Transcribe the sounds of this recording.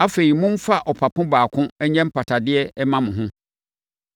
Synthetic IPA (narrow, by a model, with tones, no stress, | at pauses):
a˦fe˨ɾi˨mʊ̃˦m̩˦fa˦˨ʔɔ˨pʰa˨pʰʊ̃˦baː˨kʰʊ̃˦ɛ˦ɲɛ̃˦m̩˦pʰa˨tʰa˨dɪ˦ɛ˦ɛ˦mã˦mʊ̃˨ɦʊ̃˦